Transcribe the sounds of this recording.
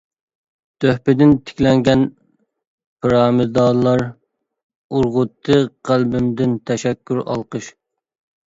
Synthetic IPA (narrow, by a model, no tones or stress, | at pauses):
t̪ʰøhpɪd̪ɪnt̪ʰɪ̥kʲlɛŋɡʲɛn | pʰɨɾɑːmɨd̪ɑːlˠɑɾ | uɾʁʊt̪ʰːɨqʰælbɪmd̪ɪnt̪ʰɛʃɛkʲːyɾɑ̰lˠqəʃ